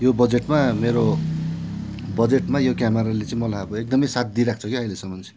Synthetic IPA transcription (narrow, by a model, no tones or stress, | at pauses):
jobʌd͡zeʈmameɾo | bʌd͡zeʈmajokjameɾalet͡saĩmʌlaboek̚d̪ʌmʌjsat̪̚d̪iɾak̚ʰt͡sʰʌkiʌilesʌmʌnt͡sʰi̥